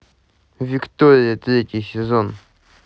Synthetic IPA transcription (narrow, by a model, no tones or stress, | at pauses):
vʲɪkt̪oɾʲɪjət̪ɾʲetʲɪjsʲɪzon